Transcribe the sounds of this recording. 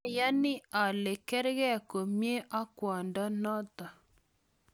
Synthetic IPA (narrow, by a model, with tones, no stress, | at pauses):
ja˦nɪ˦a˨le˨kɛ˦ɾɣɛ˦˨ko˨mje˦ʔa˦kwa˨nda˦nɔ˦ta˨